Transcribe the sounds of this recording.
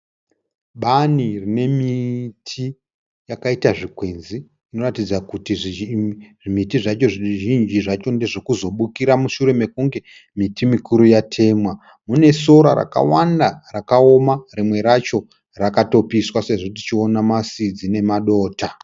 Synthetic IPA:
ɓanirine̞mitʰi | jakaitaʐikwe̞nzi | ino̞ratid͡zakuti | ʐimitiʐat͡ʃo̞ʐʒind͡ʒiʐat͡ʃo̞ndeʐokuzo̞ɓukiɾamuʃuɾe̞me̞kuŋɡe̞ | mitimikuɾujatʰe̞ːmwa | mune̞so̞ɾa̰ɾa̰ka̰wandarakao̞marimwe̞ɾat͡ʃo̞ | rakato̞piswase̞ʐo̞tit͡ʃio̞namasid͡zine̞maɗo̞ːta

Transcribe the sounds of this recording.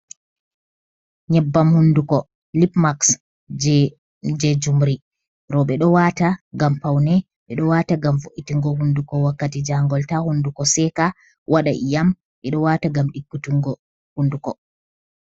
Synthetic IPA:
ɲɛbːamhundukɔ | lipmaks | d͡ʒɛd͡ʒumɾi | ɾɔɓɛɗɔwataɡampawnɛ | ɓɛɗɔwaːtaɡamvoʔitiŋɡɔhundukɔwakːatid͡ʒaŋɡɔltahundukɔsɛka | wʔaɗaʔijam | ɓɛɗɔwaːtaɡamɗikːutiŋɡɔ | hundukɔ

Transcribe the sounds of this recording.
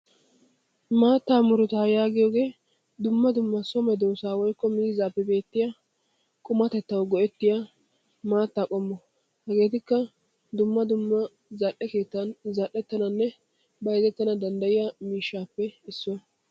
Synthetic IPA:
maːt̪ːaːmʊɾʊt̪aːjaːɡɪjoːɡe̞ː | d̪ʊmːɐd̪ʊmːɐsɔmɛd̪oːsaːwɔjkːɔmiːzaːpːɛbe̞ːt̪ːɪja | kʼʊmɐt̪ɛt̪ːɐwɡɔʔɛt̪ːɪja | maːt̪ːaːkʼɔmːɔ | hɛɡe̞ːt̪ɪkːɐ | d̪ʊmːɐd̪ʊmːɐ | zɐʔɛke̞ːt̪ːɐnzɐʔːɛt̪ːɐnɐnːɛ | bɐjzɛt̪ːɐnɐd̪ɐnd̪ɐjɪjɐmiːʃːaːpːɛɪsːʊ

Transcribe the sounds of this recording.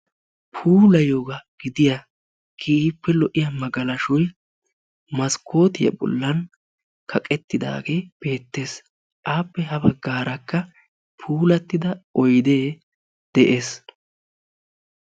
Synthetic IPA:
pʰuːlɐjoːɡɐɡ̥ɪd̪ɪja | kʰipːɛlɔʔɪjɐmɐɡɐlɐʃɔj | mɐskʰo̞ːt̪ɪjɐ̰bɔ̰lːɐn | kʰɐkʼɛt̪ːɪd̪a̰ːɡeb̥e̞ːt̪ːe̞ːs | ʔaːpːɛɦɐbɐɡːaːɾɐkːɐ | pʰuːlɐt̪ːɪd̪ɐɔjd̪e̞ː | d̪̥ɛʔe̞ːs

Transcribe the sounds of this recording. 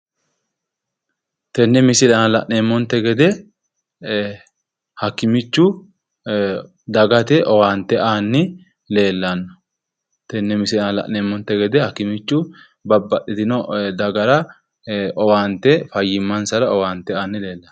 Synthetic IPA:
t̪ɛnːɛmɪsɪlɐnɐlɐʔneːmːɔnt̪ːɛɡɛd̪ɛ | hɐkːɪmɪt͡ʃːʊ | d̪ɐɡɐt̪ɛʔɔwaːnt̪ːɛʔaːnːɪ | le̞ːlːɐnːɔ̥ | t̪ɛnːɛmɪsɪɐnɐlɐ̰ʔneːmːɔnt̪ːɛɡɛd̪ɛhɐkːɪmɪt͡ʃːʊ | bɐbːɐɗɪt̪ɪnɔd̪ɐɡɐɾɐ | ʔɔwaːnt̪ːɛfɐjːɪmːɐnsɐɾɐɔwaːnt̪ɛaːnːɪle̞ːlːɐn

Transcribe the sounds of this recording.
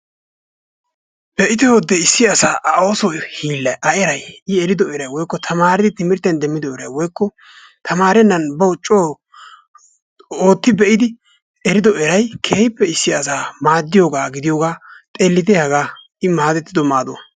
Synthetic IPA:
b̥ɛʔɪt̪ɛwɔd̪ːɛɪsːɪɐsaːʔɐoːsɔjhiːlːɐjʔɐʔɛɾɐjɪɛɾɪd̪ɔɛɾɐjwɔjkːɔt̪ʰɐmaːɾɪd̪ɪt̪ɪmɪɾt̪ːɛnd̪ɛmːɪd̪ɔʔɛɾɐjwɔjkːɔ | t̪ʰɐmaːɾɛnːɐnbɐʊt͡ʃʼːoː | oːt̪ːɪbɛʔɪd̪ɪ | ɛɾɪd̪ɔɛɾɐjkʰeːhɪpːɛɪsːɪɐsaːmaːd̪ːɪjoːɡaːɡɪd̪ɪjoːɡaːt̪ʼeːlːɪd̪ɛɐɡaː | ɪmaːd̪ɛt̪ːɪd̪ɔmaːd̪o̰

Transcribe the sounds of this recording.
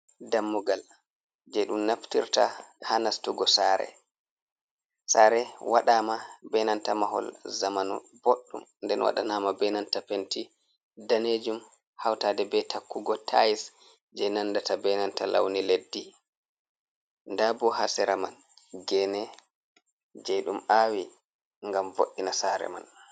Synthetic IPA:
damːuɡal | d͡ʒɛɗumnaftiɾtahanastuɡɔsaɾɛ̰ | saɾɛwa̰ɗaːmabɛnantamaɦɔ̰lzamanṵ | boɗːṵmndɛnwa̰ɗa̰naːmabɛnantapenti | daned͡ʒum | hawtaːdɛbɛtakːuɡɔtʰa̰jis | d͡ʒɛjnandatabɛnanta̰la̰wniledːi | ndabɔhasɛɾama̰n | ɡɛnɛ | d͡ʒɛjɗumawi | ŋɡamvo̰ɗːinasaɾɛ̰ma̰n

